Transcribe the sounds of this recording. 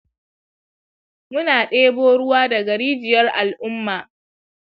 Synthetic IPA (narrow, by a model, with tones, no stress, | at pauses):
mʊ˦naː˨ɗeː˦boː˦ɽʊ˦waː˦dɐ˨ɡɐ˨ɽiː˦d͡ʒɪ˨jɐ˦rʔa˨lʔʊ˦mːaː˨